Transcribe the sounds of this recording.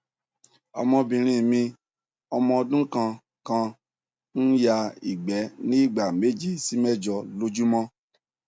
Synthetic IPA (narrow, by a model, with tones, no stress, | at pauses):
ɔ̰˧mɔ̃˧bĩ˧ɾ̃ĩ˦mĩ˧ | ɔ˧mɔ̃˧ɔ˧dũ˦kã˧ | kã˧ | n̩˦ja˧i˨ɡ͡bɛ˨˦nĩ˦i˦˨ɡ͡ba˨me˨˦d͡ʒi˦si˨˦mɛ˦˨d͡ʒɔ˧lo˦d͡ʒu˦mɔ̃˦